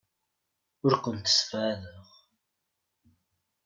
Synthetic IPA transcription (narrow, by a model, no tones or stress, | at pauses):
ʊɾkʷənt̪ːə̥sfæðəʁ